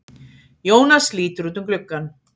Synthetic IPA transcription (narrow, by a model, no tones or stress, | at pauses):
joːwnasliːt̪ʏɾuːt̪ʏmklʏkːan